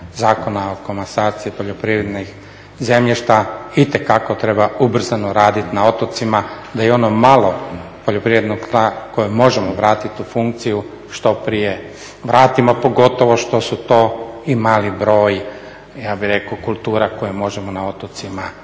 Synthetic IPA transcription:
zaːko̞naokomasaːt̪siipo̞ʎo̞pɾiʋɾed̪nix | zemʎiʃt̪ait̪e̞kakot̪ɾe̞baubr̩zanoɾaːd̪it̪nao̞t̪ot̪sima | d̪ajeo̞nomalˠo̞po̞ʎo̞pɾiʋɾed̪nok̪ako̞jumo̞ʒemoʋɾaːt̪it̪ufuŋkt̪siju | ʃt̪o̞pɾije̞ | ʋɾaːt̪imopo̞ɡo̞t̪o̞ʋo̞ʃt̪o̞sut̪o̞ːimaːlibɾo̞ːj | jaːbiɾe̞kukulˠt̪uːɾakojemo̞ʒemo̞nao̞t̪ot̪sima

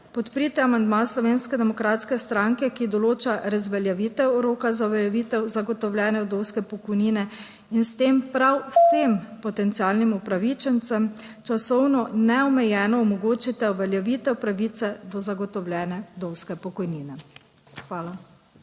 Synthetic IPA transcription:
pɔt̪pɾit̪ɛamand̪maslɔʋeːnskɛd̪ɛmɔkɾaːt̪skɛst̪ɾaŋkɛkid̪ɔloːt͡ʃaɾazʋɛljaʋit̪ɛwɾoːkazauʋɛljɛʋit̪ɛwzaɡɔt̪ɔwljɛːnɛwd̪owskɛpɔkɔjniːnɛ | inst̪eːmpɾawwsempɔt̪ɛnt̪siaːlnimupɾaʋit͡ʃɛnt̪sɛm | t͡ʃasɔwnɔnɛɔmɛjɛːnɔːmɔɡoːt͡ʃit̪ɛuʋɛljaʋiːt̪ɛwpɾaʋiːt̪sɛd̪ɔzaɡɔt̪ɔwljɛːnɛd̪owskɛpɔkɔjniːnɛ | xʋaːla

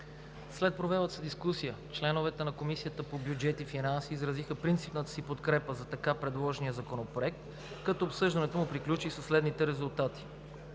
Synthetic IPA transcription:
slɛt̪̚pɾovɛvət̪sɛd̪iskusijət͡ʃlɛnovɛt̪ɛnɐkomisijət̪əpobjud͡ʒɛt̪ifinansiːzɾɐzixəpɾint̪sipnət̪ə̥sipot̪kɾɛpəzɐt̪ɐkapɾɛd̪lˠɔʒnijəzɐkonopɾoɛk̚t̪ | kɐt̪ɔːpsɤʒd̪ɐnɛt̪omupɾiklʲut͡ʃisɐslɛd̪nit̪ɛɾɛzulˠt̪at̪i̥

